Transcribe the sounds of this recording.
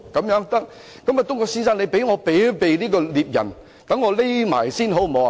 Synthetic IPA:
kɐ˨˧˥mjœː˨˥ŋt̪ɐ˥k̚ | kɐ˨˥ma˨t̪ʊ˥ŋkɔː˧ksiː˥nsaː˥ŋnle˨˧pe˨˥jŋɔː˨˧pe˨˥jpe˨jliː˥kɔː˧liː˨p̚jɐ̰˨˩n | t̪ɐ˨˥ŋːɔː˨˧le˥jma̰ː˨˩jsiː˥nɦo˨˥wmo˨˧˨

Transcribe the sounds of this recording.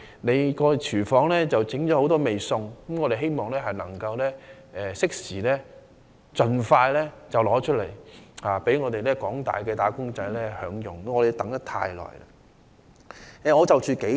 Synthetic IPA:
ne˨˧jkɔː˧t͡ʃʰyː˨˩fɔː˨˥ŋlɛː˥t͡sɐ˨wt͡sɪ˨˥ŋt͡ʃɔː˨˥ho˨˥wt̪ɔː˥me˨jsʊ˧ŋkɐ˨˥mŋɔː˨˧ɾe˨˩ɦe˥jmɔː˨˩ŋlɛː˥ɦɐ˨jnɐ˨˩ŋkɐ˧wlɛː˥ | ɛː˨sɪ˥k̚siː˨˩lɛː˥ | t͡sɵ˨nfaː˧jlɛː˥t͡sɐ˨wlɔː˨˥t͡ʃʰɵ˥t̚lḛ˨˩jhaː˨pe˨˥jŋɔː˨˧t̪e˨jlɛː˥kɔː˨˥ŋt̪a̰ː˨jkɛː˧t̪aː˨˥kʊ˥ŋt͡sɐ˨˧jlɛː˥hœ̰ː˨˥ŋjʊ˨ŋ˨ŋɔː˨˧de˨˧jt̪ɐ˨˥ŋt̪ɐ˥t̪ʰa̰ː˧jlɔ̰ː˨˩jlɐ̰˧ | ɛː˨ŋɔː˨˧t͡sɐ˨wt͡ʃʰyː˨˧ke˨˥

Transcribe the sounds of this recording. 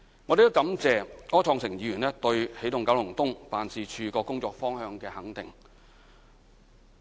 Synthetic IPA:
ŋɔ˨˧ɾe˨˩t̪o˥kɐ˨˥mt͡sɛː˨˧ŋɔː˥t͡ʃʰɔː˧ŋsɪ˨˩ŋjiː˨˧jyː˨˩nɛː˥t̪ɵ˧ɥhe˨˥jt̪ʊ˨ŋkɐ˨˥wlʊ˨˩ŋt̪ʊ˥ŋfaː˨nsiː˨˧t͡ʃʰyː˨˧kɔː˧kʊ˥ŋt͡sɔː˧k̚fɔː˥ŋhœː˧ŋkɛː˧hɐ˨˥ŋt̪ɪ˨ŋ

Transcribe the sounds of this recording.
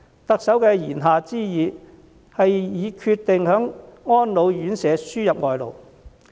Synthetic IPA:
t̪ɐ˨k̚sɐ˨˥wkɛː˧jiː˨˩nɦaː˨˧t͡siː˥jiː˨˧ | hɐ˨jjiː˨˧kʰyː˧t̪ːɪ˨ŋhœː˨˥ŋŋɔː˥nlo˨˧wjyː˨˥nsɛː˨˧syː˥jɐ˨p̚ŋɔː˨jlo̰˨w

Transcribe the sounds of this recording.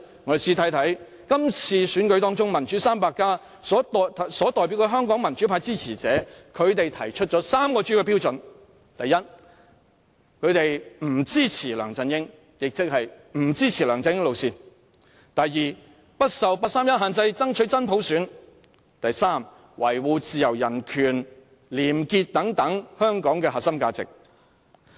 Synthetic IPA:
ŋɔː˨˧˨siː˧t̪ʰɐ˨˥jt̪ʰɐ˨˥j | kɐ˥mt͡sʰiː˧syː˨˥nkɵ˨˥ɥt̪ɔː˥ŋt͡sʊ˥ŋmɐ˨˩nt͡ʃyː˨˥saː˥mpaː˧kːaː˥ | sɔː˨˥t̪ːʰsɔː˨˥t̪ɔː˨jp̬i˨˥wkɛː˧ɦœː˥ŋkɔː˨˥ŋmɐ˨˩nt͡ʃyː˨˥pʰaː˧jt͡siː˥t͡sʰiː˨˩t͡sɛ̰ː˨˦˥kʰɵ˨˧ɥt̪e˨jt̪ʰɐ˨˩jt͡ʃʰɵ˥t̚t͡ʃɔː˨˥saː˥mkɔː˧t͡ʃyː˥kɛː˧piː˥wt͡sɵ˨n | t̪ɐ˨jːɐ˥t̚ | kʰɵ˨˧ɥt̪e˨jm̩˨˩t͡siː˥t͡sʰiː˨˩lœ̰ː˨˩ŋt͡sɐ˧njɪ˥ŋ | jɪ˨k̚t͡sɪ˥k̚hɐ˨jm̩˨˩t͡siː˥t͡sʰiː˨˩lœː˨˩ŋt͡sɐ˧njɪ˥ŋlo˨˧wsiː˧n | t̪ɐ˨jːiː˨˩ | pɐ˥t̚sɐ˨wpaː˧t̚saː˥mjɐ˥t̚ɦaː˨nt͡sɐ˧jt͡sɐ˥ŋt͡ʃʰɵ˨˥ɥt͡sɐ˥npʰo˨˥wsyː˨˥n | t̪ɐ˨jsaː˥m | wɐ˨˩jwuː˨˧t͡siː˨jɐ˨˩wjɐ˨˩nkʰyː˨˩n | liː˨˩mkiː˧t̚t̪ːɐ˨˥ŋt̪ɐ˨˥ŋhœː˥ŋkɔː˨˥ŋkɛː˧haː˨t̚sɐ˥mkaː˧t͡sɪ̰˨k̚

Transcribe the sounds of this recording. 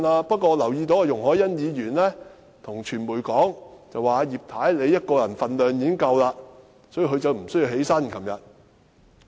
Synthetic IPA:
aː˧pɐ˥t̚kɔː˧lɐ˨˩wjiː˧t̪oː˨˥kɛ˧jʊ˨˩ŋɦɔː˨˥jɐ˥njiː˨˧jyː˨˩nlɛː˥ | t̪ʰʊ˨˩ŋt͡ʃʰyː˨˩nmuː˨˩jkɔː˨˥ŋt͡sɐ˨waː˨jiː˨p̚t̪ʰaː˨˥jle˨˧jɐ˥t̚kɔː˧jɐ˨˩nfɐ˨nlœː˨˩ŋjiː˨˥ŋkɐ˧wlaː˧ | sɔː˨˥jiː˨˧ɦɵ˨˧ɥt͡sɐ˨wm̩˨˩sɵ˥ji˧wɦe˨˥jsɐ˥nkʰɐ˨˥mjɐ˨˧t̚

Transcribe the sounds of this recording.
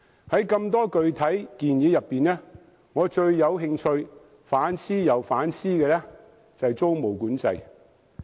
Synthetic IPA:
hɐ˨˥jkɐ˧mt̪ɔː˥kɵ˨˧ɥt̪ʰɐ˨˥jkiː˨njiː˨˧˥jɐ˨pːiː˨nlɛː˥ | ŋɔː˨˧t͡ʃɵ˧ɥjɐ˨˧wɦɪ˧ŋt͡ʃʰɵ˧ɥ | faː˨˥nsiː˥jɐ˨˩wfaː˨˥nsiː˥kɛː˧lɛː˥ | t͡sɐ˨jt͡so˥wmo˨˩wkuː˨˥nt͡sɐ˧j

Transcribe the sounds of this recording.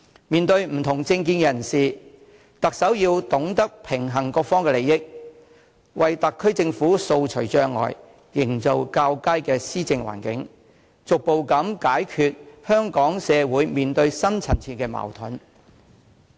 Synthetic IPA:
miː˨nt̪ɵ˧ɥm̩˨˩t̪ʰʊ˨˩ŋt͡sɪ˧ŋk̬iː˧nkɛ˨jɐ˨˩nsiː˨˩ | t̪ɐ˨k̚sɐ˨˥wjiː˧wt̪ʊ˨˥ŋt̪ɐ˥k̚pʰɪ˨˩ŋɦɐ˨˩ŋkɔː˧k̚fɔː˥ŋkɛː˧le˨jɪ˥k̚ | wɐ˨jt̪ɐ˨kʰːɵ˥ɥt͡sɪ˧ŋfuː˨˥so˧wt͡ʃʰɵ˨˩ɥt͡ʃœː˧ŋːɔ̰ː˨˩j | jɪ˨˩ŋt͡so˨wkaː˧wkaː˥jkɛː˧siː˥t͡sɪ˧ŋwa̰ː˨˩nkɪ̰˨˥ŋ | t͡sʊ˨k̚po˨wkɐ˨˥mkaː˨˥jkʰyː˨t̚hœː˥ŋkɔː˨˥ŋsɛː˨˧wuː˨˥jmiː˨nt̪ɵ˧ɥsɐ˥nt͡sʰɐ˨˩nt͡sʰiː˨˩kɛː˧ma̰˨˩wt̪ʰʊ˨˥n

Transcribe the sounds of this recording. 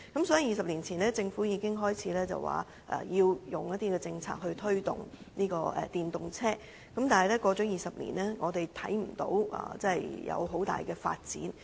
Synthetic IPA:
kɐ˨˥msɔː˨˥ji˧jiː˨˩sɐ˨p̚liː˨˩nt͡sʰiː˨˩nlɛː˥t͡sɪ˧ŋfuː˨˥jiː˧kɪ˥ŋɦɔː˥jt͡sʰiː˨˥lɛː˥t͡sɐ̰˨wa̰ː˨ | ʔɛ̰˨jiː˧wjʊ˨ŋjɐ˥t̪̚iː˥kɛ˧t͡sɪ˧ŋt͡sʰa̰ː˧k̚hɵ˧ɥt̪ʰɵ˥ɥt̪ʊ̰˨˩ŋ | niː˥kɔː˧ɛ̰˨˩t̪iː˨nt̪ʊ˨˩ŋt͡sʰɛː˥ | kɐ˨˥mt̪aː˨nhɐ˨jlɛː˥kɔː˧t͡sœ˨˥jiː˨sɐ˨p̚lḭː˨˩nɛː˥ŋɔː˨˧t̪e˨˩jt̪ʰɐ˨˥jm̩˨˩t̪o̰˧˥wa̰ː˨˩t͡sɐ˥˨jjɐ̰˨˧wɦo˨˥wt̪a̰ː˨jkɛː˧fa̰ː˧t̚t͡sḭː˨˥n

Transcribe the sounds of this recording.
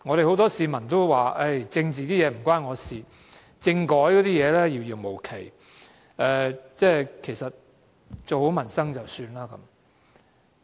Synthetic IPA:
ŋɔ˨˧ɾe˨jho˨˥wt̪ɔː˥siː˧mɐ˨˩nt̪o˥wwaː˨˩ʔɐ˥˩jt͡sɪ˧ŋt͡siː˨t̪iː˥jɛː˨˧m̩˨˩kʷaː˥nŋɔː˨˧siː˨ | t͡sɪ˧ŋkɔː˨˥jkɔː˨˥t̪iː˥jɛː˨˧lɛː˥jiː˨˧wjiː˨˧wmo˨˩wkʰe˨˩j | ɛː˨t͡sɛː˥˩kʰe˨˩sɐ˨t̚ | t͡so˨who˨˥wmɐ˨˩nsɐ˥ŋt͡sɐ˨wsyː˧nlaː˥kɐ̰˨˥m

